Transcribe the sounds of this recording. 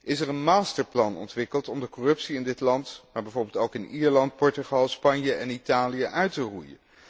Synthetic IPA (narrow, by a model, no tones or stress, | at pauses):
ɪsɛɹənmaːstəɹplɑnɔ̰ntʋɪkəlˠtɔmdəkɔrɵpsiɪndɪtlɑntmaːɹbɛjvoːɹbɪːlˠtowkɪniːɹlɑnt̚pɔɹtyχɑlˠspɑnjəʔɛnitaːlijəʔœɥtərujə̰n